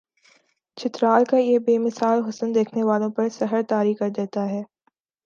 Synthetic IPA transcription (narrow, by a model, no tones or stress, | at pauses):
t͡ʃʰɪt̪ɾaːlkajeːbeːmɪsaːlɦʊsənd̪eːkʰneʋaːlõpɐɾsɐɦəɾt̪aːɾikɐɾd̪eːt̪aɦɛː